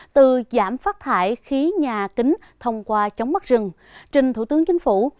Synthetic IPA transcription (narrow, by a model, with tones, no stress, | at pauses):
t̪ɨ˨˩za̰ː˧˩mfaː˦˥t̚t̪ʰa̰ː˧˩˨jxi˨˦ɲaː˨˩kï˨˦ŋ̟ | t̪ʰə˧wŋ͡mkwaː˧t͡ɕə˨˦wŋ͡mma˦˥zɨ˨˩ŋ | t͡ɕï˨˩ŋ̟t̪ʰṵ˧˩t̪ɨ˨˦əŋt͡ɕï˨˦ŋ̟fu˧˩